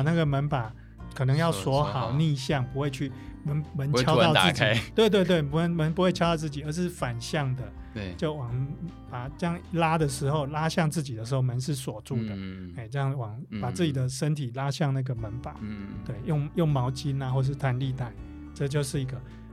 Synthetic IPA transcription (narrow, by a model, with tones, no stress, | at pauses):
na˥˩ɡə˩mə˧˦npa˨˩ | kʰɤ˨˩nɤ˧˦ŋjɑ˥˩ʊswɔ˧˥xɑ˨˩ʊni˥˧ɕjɑ˥˩ŋpu˦˥we˥˧ɪt͡ɕʰy˥˩mə˧˦nmə˧˦nt͡ɕjɑ˥ʊt̪ɑ˥˧ʊɹ̩˥˨˩t͡ɕt̪we˥˧ɪt̪we˧ɪt̪we˥˩ɪpu˧ə˧˦nmə˧˦npu˧˦we˥˩t͡ɕʰjɑ˥ʊt̪ɑ˥˧ʊt͡s̩˥˩t͡ɕi˨˩ə˞˧˦ʂɻ̩˥˩fa˨˩nɕjɑ˥˩ŋd̪ə˨ | t͡ɕjo˥˩ʊwɑ˨˩ŋpa˨˩ʈ͡ʂjɑ˥˩ŋla˦˥d̪ə˨ʂɻ̩˧˥xo˥˧ʊla˦˥ɕjɑ˥˧ŋt͡sɹ̩˥˩t͡ɕi˨˩d̪ə˨ʂ̬ɻ̩˧xo˥˩ʊmə˧˦nʂɻ̩˥˩swɔ˨˩ʈ͡ʂu˥˩d̪ə˩e˥˩ɪʈ͡ʂjɑ˥˩ŋwɑ˨˩ŋpa˨˩t͡s̩˥˩t͡ɕi˨˩d̪ə˦ʂə˦˥nt̪ʰi˨˩la˦ɕjɑ˥˧ŋna˥˩ɡə˩mə˨˦npa˨˦t̪we˥˩ɪjo˥˨ŋjʊ˥˩ŋmɑ˧˥ʊt͡ɕi˦na˨xwɔ˥˨ə˨˩ʂɻ̩˥˧t̪ʰa˧nli˥˧t̪a˥˩ɪ | ʈ͡ʂɤ˥˧t͡ɕjo˥˧ʊʂɻ̩˥˩i˧˥ɡə˧